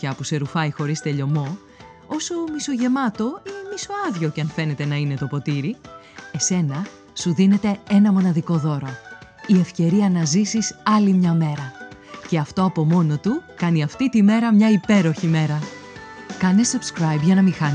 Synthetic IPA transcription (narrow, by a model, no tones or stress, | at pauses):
ɐpuse̞ɾufɐjxo̞ɾist̪e̞ʎo̞mo̞ | o̞somiso̞ʝe̞mɐt̪o̞inemiso̞ɐðʝo̞ceɐnfe̞ne̞t̪e̞nɐine̞t̪o̞po̞t̪iɾi | e̞se̞nɐ | suðine̞t̪e̞e̞nɐmo̞nɐðiko̞ðo̞ɾo | ie̞fce̞ɾiɐnɐzisisɐlimɲɐme̞ɾɐce̞ɐft̪o̞ɐpo̞mo̞no̞t̪ukɐniɐft̪it̪ime̞ɾɐmɲɐipe̞ɾo̞çime̞ɾɐ | kɐne̞subskɾɐjbʝɐnɐmixɐn